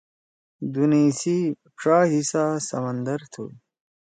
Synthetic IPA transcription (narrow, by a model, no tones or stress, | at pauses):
d̪uniːsi | pʂaːɦisasɐmɐnd̪ɐɾt̪ʰṵ